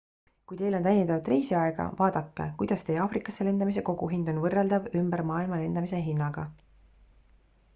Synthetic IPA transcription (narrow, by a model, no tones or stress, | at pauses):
kujt̪e̞jlo̞nt̪æjniɑvt̪ːˑrejsiɑeɡ̥ɑ̰vɑːd̪̥ɑkːˑḛkujd̪̥ɑst̪e̞ɑːfrikːˑɑsːele̞nd̪ɑmis̬e̞ko̞ɡ̥uɦind̪o̞nvɤrːeld̪̥ɑvymbeɾmɑːilmɑle̞nd̪̥ɑmise̞ɦinːɑɡ̥ɑ